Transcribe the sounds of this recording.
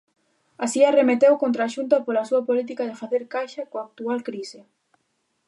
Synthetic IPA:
asiaremet̪ewkont̪ɾaːʃunt̪ɐpolɐsuɐpolit̪̬ikɐðɪfaθeɾkajʃɐkoaːk̚t̪ualkɾisɪ

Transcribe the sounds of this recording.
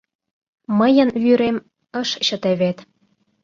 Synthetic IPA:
mə̆jə̆nβyɾem | əʃɕɤ̆t̪eβet̪

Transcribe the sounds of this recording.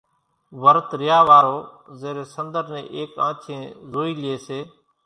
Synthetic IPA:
ʋəɾt̪ɾɪjaːʋaːɾoː | zeːɾeːsənd̪əɾnɛ̰̃ːʔeːkã̰ːt͡ʃʰẽːzoːiːlɪjeːseː

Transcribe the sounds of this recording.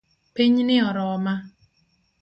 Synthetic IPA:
piɲnɪɔɾɔma

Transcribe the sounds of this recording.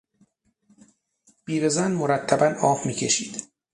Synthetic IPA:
b̥iːɾezænmoɾæt̪ʰːæbænɒːfmiːcʰe̞ʃiːd̪̥

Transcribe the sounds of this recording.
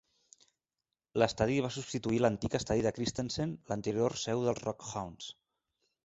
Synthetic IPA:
ləst̪aðiβ̞asupst̪it̪uilənt̪ikəst̪aðiðəkɾist̪ensenlənt̪əɾjorsɛwðəlˠzrɔkxawns

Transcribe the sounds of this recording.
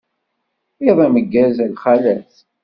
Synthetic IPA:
iðˤæməɡːæzælχælæθ

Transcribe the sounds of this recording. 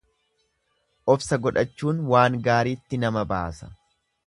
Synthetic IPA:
ʔɔfsɐɡɔᶑɐt͡ʃːuːnwaːŋɡaːɾiːt̪ːɪnɐmɐba̰ːsɐ̥

